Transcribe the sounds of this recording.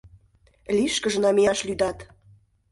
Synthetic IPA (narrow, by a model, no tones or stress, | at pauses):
lʲiʃkə̆ʒə̆nɑmejɑʃlyd̪ɑt̪